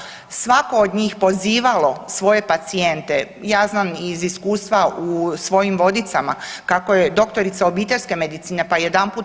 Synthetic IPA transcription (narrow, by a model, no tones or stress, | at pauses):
sʋako̞ːd̪ɲiːxpo̞ziːʋalo̞sʋo̞je̞pat̪sie̞nt̪e̞ | jaːznaːmiziskuːst̪ʋausʋo̞jimʋo̞d̪it̪samakakoje̞d̪o̞kt̪o̞ɾit̪sao̞biːt̪e̞ʎʲske̞me̞d̪it̪siːne̞pajed̪anpuːt̪